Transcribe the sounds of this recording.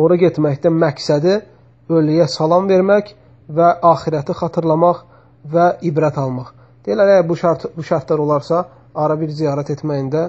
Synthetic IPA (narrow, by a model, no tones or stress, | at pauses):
oɾɑɟet̪mæçd̪æmæcsæd̪i | ølyjæsɑlˠɑmve̞ɾmæç | væʔɑːxiɾæt̪ʰixɑt̪ʰɯɾlˠɑmɑχ | væibɾæt̪ʰɑlˠmɑχ | d̪̥eilːæɾæjæɾbuʃɑɾt̪buʃɑɾt̪ʰlɑɾo̞lˠɑɾsɑ | ɑɾɑbiɾzijɑːɾæt̪ʰe̞t̪mæjind̪æ